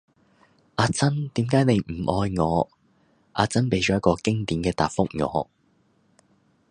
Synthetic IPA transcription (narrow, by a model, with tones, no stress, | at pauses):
ʔaː˧t͡sɐ˥nt̪iː˨˥mkaː˨˥jne˨˧jm̩˨˩ʔɔː˧jŋɔː˨˧ | ʔaː˨˧t͡sɐ˥npe˨˥jt͡ʃɔː˨˦jɐ˥t̚kɔː˧kɪ˥ŋt̪iː˨˥mkɛː˧t̪aː˨p̚fʊ˥k̚ŋɔ̰ː˨˦